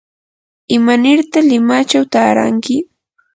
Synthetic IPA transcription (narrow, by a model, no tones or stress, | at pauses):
ɪmanɪɾt̪alɪmat͡ʃawt̪aːɾa̰ŋkɪ